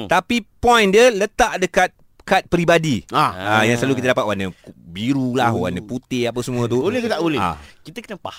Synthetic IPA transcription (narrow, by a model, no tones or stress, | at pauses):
t̪apipɔ̃jndələt̪aʔdəkat̪̚ | kat̪̚pɾibadiaajaŋsəlalukit̪ədapat̪̚waʔnə̃biɾulahwa̰nə̃put̪ɪhap̬əsəmũə̃t̪̬uolɪhkt̪aʔolɪa̰kit̪əkənəpa̰h